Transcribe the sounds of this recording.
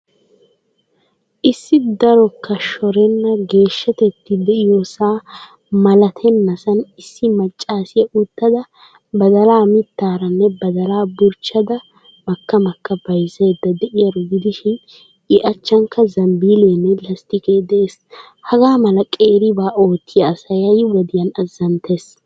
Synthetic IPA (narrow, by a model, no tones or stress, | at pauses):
ʔɪsːɪd̪ɐɾɔkːɐʃɔɾɛnːɐɡe̞ːʃːɐt̪ɛt̪ːɪd̪ɛʔɪjosaː | mɐlɐt̪ʰɛnːɐsɐnɪsːɪmɐt͡ʃʼːaːsɪjɐʔʊt̪ːɐd̪ɐ | bɐd̪ɐlaːmɪt̪ːaːɾɐnːɛbɐd̪ɐlaːbʊɾt͡ʃːɐd̪ɐ | mɐkːɐmɐkːɐbɐjzɛd̪ːɐd̪ɛʔɪjɐɾʊɡɪd̪ɪʃɪn | ɪʔɐt͡ʃːɐŋkːɐzɐmbiːleːnːɛlɐst̪ɪkeːd̪ɛes | hɐɡaːmɐlɐkʼeːɾɪbaːʔo̞ːt̪ːɪjɐsɐjɐjwɔd̪ɪjɐnɐzːɐnt̪eːs